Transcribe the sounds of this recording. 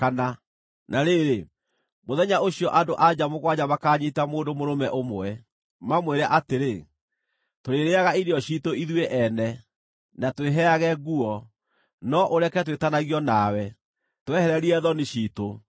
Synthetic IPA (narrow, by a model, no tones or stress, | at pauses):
kana | nʔaɾeɾe | moðɛɲaoɕiɔʔadoʔad͡ʑamoɣwaɲamakaɲitamoːndomoɾomɛʔomwɛ | mamweɾaʔateɾe | toɾeɾeaɣaiɾeɔɕiːtoiðweʔɛnɛ | natweɦɛaɣɛɣuɔ | nɔʔoɾɛkɛtwetanaɣiɔnawɛ | towɛhɛɾɛɾiɛðɔneɕiːto